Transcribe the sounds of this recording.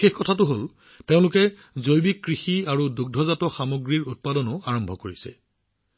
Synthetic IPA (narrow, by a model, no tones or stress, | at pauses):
exkɔtʰatʊɦol | teʊ̃lʊkɛ | zojbikːɹixiaɹuduɡ̚dʱɔzatɔxamoɡɹiɹut̚padɔnʊaɹɔmbʱɔkoɹisɛ̰